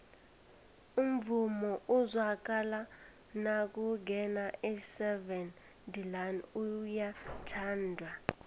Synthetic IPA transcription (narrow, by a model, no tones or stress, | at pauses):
um̩vumɔʔuzwak̬ʼala | nak̬ʼuɡʱɛnaʔisɛvɛn | dilanujatʰaːndʱwa